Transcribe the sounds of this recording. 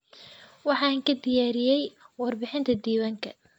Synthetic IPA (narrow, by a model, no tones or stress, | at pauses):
wɑħɑːŋkʰɐd̪ɪjaːɾɪjɛjwɑrbɪħɪnt̪ʰɐd̪iːwaŋkʰɐ̰